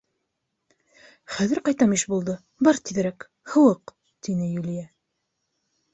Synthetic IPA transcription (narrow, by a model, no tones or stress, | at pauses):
χæðɘ̆ɾqɑjt̪ɑmiʃbulˠd̪ɤ | bɑɾt̪iðɘ̆ɾæk | hɤ̆wɤq | t̪inɘjulʲjæ